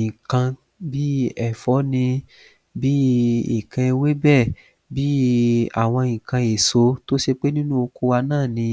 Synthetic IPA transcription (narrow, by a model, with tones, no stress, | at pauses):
ĩ˨kã˧ | bi˦ɛ˦˨fɔ˨˦nĩ˧ | bi˦ḭ˨kã˧e˧we˦bɛ˦˨ | bi˦a̰˦˨w̃ɔ̃˧ĩ˨kã˧e˨so˨˦to˦ʃe˧k͡pe˦nĩ˦nũ˦o˧ko˧˦wa˧nãː˦˨nĩ˧